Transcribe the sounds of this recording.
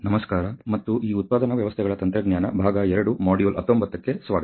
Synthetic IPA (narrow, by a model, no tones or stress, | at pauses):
nɐmɐskaːɾɐmɐt̪ːuʔiːut̪̚paːd̪ɐnɐʋjɐʋɐst̪ʰɛɡɐɭɐt̪ɐnt̪ɾɐɡɲjaːnɐ̰bʱaːɡɐɛɾɐɽumaːɽijoːlʔɐt̪ːombɐt̪ːɐkːe̞sʋaːɡɐ